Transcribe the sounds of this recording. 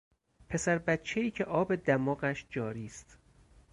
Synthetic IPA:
pʰe̞sæɾbæt̪t͡ʃʰeiːcʰe̞ʔɒːbe̞d̪æmɒːɣæʃd͡ʒɒːɾiːst̪

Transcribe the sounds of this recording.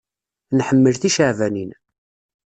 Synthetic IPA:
nħəmːəlθiʃəʕvænin

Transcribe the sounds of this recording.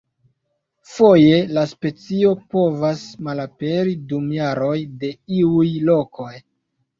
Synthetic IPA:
fo̞je̞laspe̞t͡sio̞po̞vasmalape̞ɾidumjaɾo̞jde̞iujlo̞ko̞j

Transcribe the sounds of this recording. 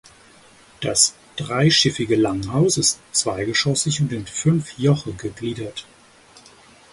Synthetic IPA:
d̥as | d̥ʁaɪʃɪfɪɡəlaŋɦaʊsɪstt͡sv̥aɪɡəʃɔsɪçʊntɪnfʏnfjɔχəɡəɡliːdɐt

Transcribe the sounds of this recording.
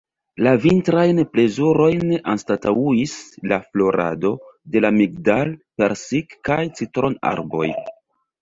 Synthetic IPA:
lavintɾajnple̞zuɾo̞jnʔanstatauislaflo̞ɾa̰do̞de̞lamiɡ̚dalpe̞ɾsikkajt͡sitɾo̞na̰ɾbo̞̰j

